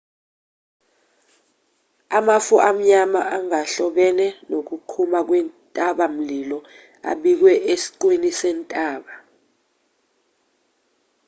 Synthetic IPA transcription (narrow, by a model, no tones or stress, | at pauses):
amafuʔam̩ɲama̰ʔaŋaɬɔɓɛnɛnok̬ukʰumak̬wɛntʼaɓam̩lilɔ | a̰ɓik̬wɛʔesi̥ǃwinisɛntʼaːɓa